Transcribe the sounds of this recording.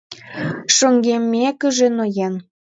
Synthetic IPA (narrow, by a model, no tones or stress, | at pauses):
ʃoŋɡemːekə̆ʒĕnojen